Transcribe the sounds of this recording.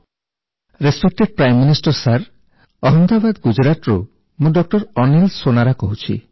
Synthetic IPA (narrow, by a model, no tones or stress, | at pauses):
ɾespek̚ʈeɖ̚pɾajmːinisʈɔɾsaɾ | ɔɦɔnd̪abad̪ɡud͡ʒɾat̪ɾo | mũɖɔk̚ʈɔɾɔnilsonaɾakɔɦut͡ʃʰḭ